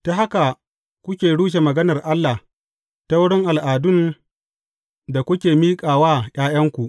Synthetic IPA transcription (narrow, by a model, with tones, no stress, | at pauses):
ta˨ɦa˦ka˨ | kʷʊ˦kʲeː˨ɽuː˦ʃ̬e˨mɐ˨ɡɐ˦nɐ˨rʔa˦lːa˨h | ta˦wʊ˦ɽɪ˦ŋʔa˨lʔaː˨dʊ˦n | da˨kʷʊ˦kʲeː˨miː˦kʼaː˨waː˦j̰ʲʼaː˦j̰ɐ˦ŋkʷu˨ʔ